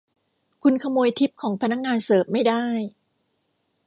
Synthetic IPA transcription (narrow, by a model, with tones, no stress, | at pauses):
kʰu˧nkʰa˧moː˧jt̪ʰi˦˥p̚kʰɔː˩˦ŋpʰa˧na˦˥k̚ŋaː˧nsɤː˨˩p̚ma˥˩jda˥˩j